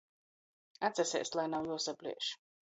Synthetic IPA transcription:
at̪sʲɛsḛːslˠajnawjuɔsaplʲḭːʃ

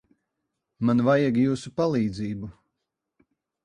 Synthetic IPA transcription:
manvajaɡjuːsupalˠiːd̪ziːbu

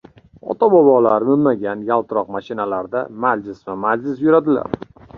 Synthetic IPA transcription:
ɒ̰t̪ʰabɒbɒlaɾmɪlmːaɡʲanjalˠt̪ɪɾɒqmaʃɪnalaɾd̪amad͡ʒlɪsvamad͡ʒlɪs̬jʊɾad̪ɪla̰ɾ

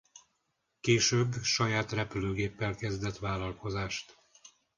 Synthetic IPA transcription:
keːʃøːbːʃɒjaːt̪rɛpyløːɡeːpːɛlkɛzd̪ɛt̪ʋaːlːɒlko̞zaːʃt̪

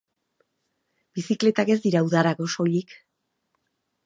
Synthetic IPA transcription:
b̥isikle̞t̪ake̞zd̪iɾauðaɾaɣo̞so̞ʎik

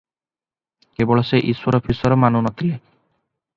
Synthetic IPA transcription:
kebɔɭɔseʔiswɔɾɔpʰisɔɾɔmanunɔt̪ʰile

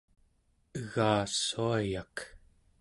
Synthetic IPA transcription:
əɣaːsuajak

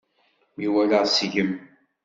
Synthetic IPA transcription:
miwæləʁsʝəm

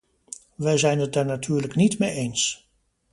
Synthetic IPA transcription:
ʋəjzɛjnət̚darnatʰyːɹləknitmejejns

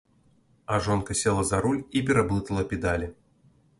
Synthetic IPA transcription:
ɐʐonkəsʲelˠəzɐɾulʲipʲɪɾɐblˠɨt̪əlˠəpʲɪd̪alʲɪ

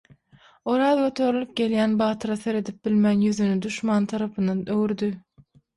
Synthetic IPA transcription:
oɾɑːðɡʲø̞t̪ʰø̞ɾylyp̚ɡʲe̞ljæːnbɑːt̪ʰɯɾɑθe̞ɾe̞d̪ip̚bilmænjyðynyd̪uʃmɑːnt̪ʰɑɾɑpʰɯnd̪ɑnøwyɾd̪y

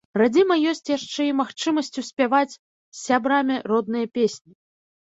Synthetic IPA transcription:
rad͡zʲimɐjɔsʲt͡sʲjaʂt͡ʂɛimaxt͡ʂɨmɐsʲt͡sʲusʲpʲavat͡sʲ | sʲːabɾamʲirɔd̪nɨjɐpʲesʲnʲi

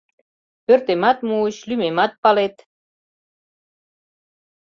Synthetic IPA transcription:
pørt̪emɑt̪muət͡ɕlymemɑt̪̚pɑlet̪

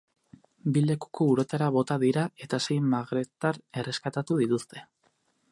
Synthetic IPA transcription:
bile̞ku̥ko̞uɾo̞t̪aɾaβo̞t̪aðiɾae̞t̪ase̞jmaɣɾe̞t̪aɾe̞re̞skat̪at̪uðit̪ust̪e̞̥

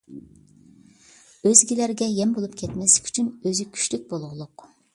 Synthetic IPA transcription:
øzɡʲilæɾɡʲɛjɛmbolˠupkʲʰɛt̪mɛslɪ̥kʲʰy̥t͡ʃʰynøzykʲʰy̥ʃlyk̚ʲbolˠʁʊlˠʊq

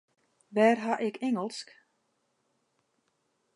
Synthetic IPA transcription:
ʋɛːrɦaʔɪkʰeŋəlˠsk

